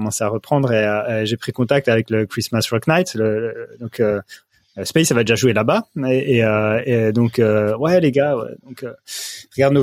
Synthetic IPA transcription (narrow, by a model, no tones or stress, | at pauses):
mɑ̃seaʁəpχɑ̃d̪ʁeøʒepχikɔ̃t̪ak̚t̪avɛkləkχismasʁɔknajt̪lələd̪ɔ̃kʰø | əspɛjsavad̪eʒaʒuelabaeːøed̪ɔ̃køwɛleɡawɛ̰d̪ɔ̃køʁəɡaʁd̪no